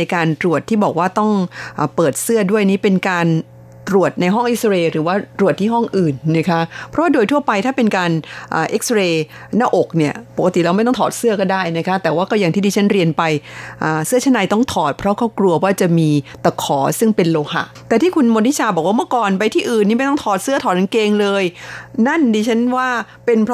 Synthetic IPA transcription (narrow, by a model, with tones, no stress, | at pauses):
na˧jkaː˧nt̪ɾu˨˩ət̪ʰːiː˥˩bɔː˨˩k̚waː˥˩t̪ɔ˥˩ŋʔaː˨˩pɤː˨˩t̪̚sɯ˥˩ədu˥˩əjniː˦˥˩pe˧nkaː˧n | t̪ɾu˨˩ət̪̚na˧jɦɔ˥˩ŋʔi˦˥seː˧ɾɯː˩˦waː˥˩t̪ɾu˨˩ət̪̚ʰːiː˥˩ɦɔ˥˩ŋʔɯː˨˩nːa˦˥kʰa˦˥ʔpʰɾɔ˦˥waː˥˩doː˧jt̪ʰu˥˩ɐpa˧jt̪ʰaː˥˩pe˧nkaː˧nʔaː˨˩ʔe˦˥k̚sɾeː˧ | naː˥˩ʔo˨˩k̚ni˥˩ɐpo˨˩ka˧t̪i˨˩lɛ˧˥wma˥˩jt̪ɔ˥ŋt̪ʰɔː˨˩t̪̚sɯ˥˩əkɔː˥˩daː˥˩jna˦˥kʰa˦˥t̪ɛː˨˩waː˥˩kɔ˥˩jaː˨˩ŋʰiː˥˩diː˧a˦˥nɾi˧ənpa˧jʔaː˨˩sɯ˥˩ət͡ɕʰa˦˥˩na˧jt̪ɔ˥˩ŋt̪ʰɔː˨˩t̪̚pʰɾɔ˦˥kʰɔː˥˩klu˧əwaː˥˩t͡ɕa˨˩miː˧t̪a˨˩kʰːɔː˩˦sɯ˥˩ŋpe˧nloː˧ha̰˧˩ʔt̪ɛː˨˩t̪ʰiː˥˩kʰu˧nmoː˧ni˦˥t͡ɕʰaː˧bɔː˨˩kwaː˥mɯ˥˩əkɔː˨˩npa˧jt̪ʰiː˥˩ʔɯː˨˩niː˥˩ma˥˩jt̪ɔ˥˩ŋt̪ʰɔː˨˩t̪̚sɯ˥˩t̪ʰɔː˨˩t̪̚na˧nkeː˧ŋlɤː˧jna˥˩ndiː˧˩t͡ɕʰa˦˥nwaː˥˩ | pe˧npʰ